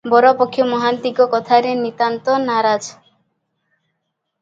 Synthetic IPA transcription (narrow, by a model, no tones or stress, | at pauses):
bɔɾɔpɔkʰːjɔmɔɦant̪iɡɔkɔt̪ʰaɾenit̪ant̪ɔnaɾad͡ʒ